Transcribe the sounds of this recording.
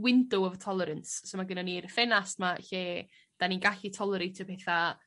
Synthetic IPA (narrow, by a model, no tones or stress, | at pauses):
wɪndʊɔvtʰɔlˠɛɾənssowmaɡənanirfɛnastmaɬeː | d̥aninɡaɬitʰɔlˠɛɾetʰəpʰeθa